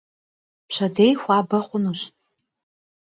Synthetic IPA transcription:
pʃɐdejxʷaːbɐχʷʊnuɕ

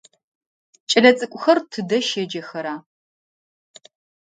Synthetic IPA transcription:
t͡ʃʼɐɮɐt͡sʼɨkʷʼʊxɐrtʰɨdɐʃed͡ʒɐxɐɾaː

